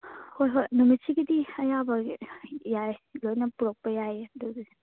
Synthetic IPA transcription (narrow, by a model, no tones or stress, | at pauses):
hojɦojnumit͡ʃʰiɡidiɐjabɐ | jajlojnɐpuɾok̚pɐjajeduɡi